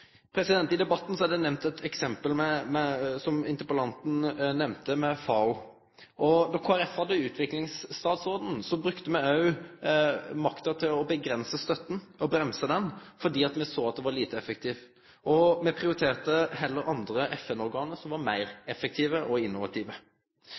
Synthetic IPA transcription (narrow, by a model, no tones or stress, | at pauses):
pʰɾɛsɪd̪ɛnt̪ɪd̪ɛbɑt̪ːn̩sɔɛd̪ɛnɛmnt̪ɛt̪ʰɛksɛmpəlmɛmɛsɔmɪ̰nt̪əpəlɑnt̪n̩nɛmnt̪əmɛfɑʊ | ʔɔnɔkʰoːæɾɛfhɑd̪ːəʉːt̪ʰʋɪklɪŋst̪ɑːt̪soːd̪n̩sɔbɾʉkt̪əmɛɑʉ | mɑkt̪ət̪ʰɪlɔbəɡɾɛnsəst̪œt̪ːn̩ɔbɾɛmsəd̪ɛnfɔɖ̪iːɑt̪mɛsoːɑt̪̚d̪ɛʋɑɾliːt̪əɛfək̚t̪ʰiːʋ | ɔmɛpʰɾɪʊɾɪt̪ʰeːʁt̪əɦɛlːəɾɑnd̪ɾəʔɛfɛnɔɾɡɑːnəɾsɔmʋɑɾmæɪɾɛfək̚t̪ʰiːʋəʔɔɪnːʊʋɑ̰t̪ʰiːʋə